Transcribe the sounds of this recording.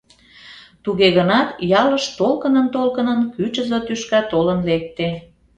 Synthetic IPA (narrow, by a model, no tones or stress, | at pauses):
t̪uɣeɣənɑt̪jɑləʃt̪olkənənt̪olkənənkyt͡ɕəzot̪yʃkɑt̪olənlek̚t̪e